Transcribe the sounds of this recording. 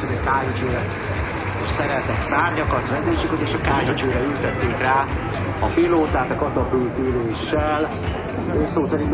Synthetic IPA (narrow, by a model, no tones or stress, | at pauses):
ozekaːɲot͡ʃøːɾɛk | eʃsɛɾɛlt̪ɛksaːɲdɒkɒt̪mɛzeːʃykozeːʃɒkaːɲot͡ʃøːɾɛylt̪ɛt̪ːeːkraː | ɒpiloːt̪aːt̪ɒkɒt̪ɒpyːt̪yleːʃɛlː | soːsɛɾin